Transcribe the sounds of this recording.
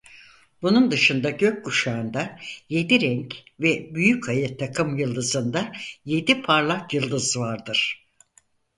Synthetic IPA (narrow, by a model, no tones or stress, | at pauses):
bunund̪ɯʃɯnd̪aɟø̞c̚kuʃaːnd̪aje̞d̪iɾɛɲcvɛbyjycʰajɯt̪ʰakʰɯmjɯlˠd̪ɯzɯnd̪aje̞d̪ipʰaɾlˠakjɯlˠd̪ɯzvaɾd̪ɯɾ̥